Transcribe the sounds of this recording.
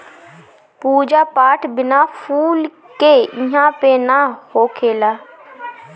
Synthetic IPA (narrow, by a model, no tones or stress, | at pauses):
puːd͡ʒaːpaːʈʰbɪnaːpʰuːl | keːɪ̃ɦãːpeːnaːhoːkʰeːlaː